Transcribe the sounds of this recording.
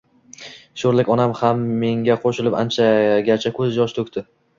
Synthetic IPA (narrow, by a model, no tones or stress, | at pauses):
ʃoɾlɪkʲɒnamhamːe̞ŋɡʲaqʰoʃɪlɪpant͡ʃʰaɡʲat͡ʃʰakʲʰɵzjɒʃt̪ʰɵkʲt̪ʰɪ